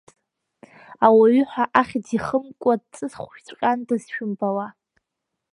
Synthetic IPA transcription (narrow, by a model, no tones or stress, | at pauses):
awaɥʏħʷᶣaʔaχʲdiχəmkʷʼadt͡sʼɨsχʷʃt͡sʷʰʼqʲʼandɨzʃᶣʊmpʼawa